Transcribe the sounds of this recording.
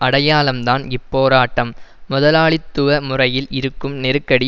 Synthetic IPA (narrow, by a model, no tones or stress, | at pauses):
ɐɽɐjaːlɐmt̪aːnɪpːoːɾaːʈːɐmːʊðɐlaːɭɪt̪ːɯʋɐmʊrɐjɪlɪɾɯkːɯmnɛɾɯkːɐɽi